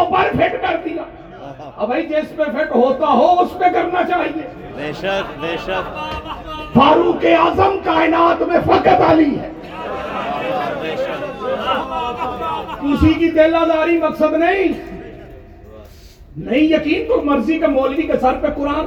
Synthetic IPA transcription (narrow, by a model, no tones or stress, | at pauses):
obɐɾpʰeʈbɛɾd̪ijaː | ɐbʱəid͡ʒespeɾpʰeʈɦoːt̪aɦoʊspẽkɐɾnat͡ʃaːɦieː | fʰaːɾũkeaːzəmkaːɪnaːt̪mẽfʰɐkət̪aːliɦɛː | ʊsikit̪eːlazaːɾimɐksəd̪nɐɦĩ | nɐɦĩjɐkiːnt̪omɐɾzikemoːlkikesɐɾpekʊɾaːn